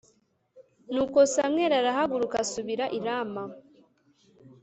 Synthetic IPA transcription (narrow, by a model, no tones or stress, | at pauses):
nuːkosamŋeɾaɾaɦaɡuɾukasuβiɾaʔiɾama